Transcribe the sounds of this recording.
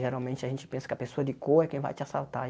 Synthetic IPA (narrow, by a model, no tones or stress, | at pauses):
ʒeɾawmẽnt͡ʃɪaʒẽnt͡ʃɪ̥pẽsɐ̥kɪɐpesoɐd̪ɪkoɛkẽj̃va̰jt͡ʃɪasalt̪a